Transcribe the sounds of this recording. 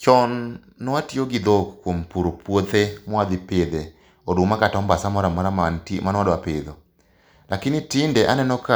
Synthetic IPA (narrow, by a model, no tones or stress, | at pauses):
t͡ʃɔnː | ɔwatioɡid̪okkːwompuɾopwot̪emwad̪ɪped̪e | odomakatɔmbasamɔɾamaɾaatmanwadɔaped̪ɔ | lakɪnɪtɪndɛʔanɛnɔka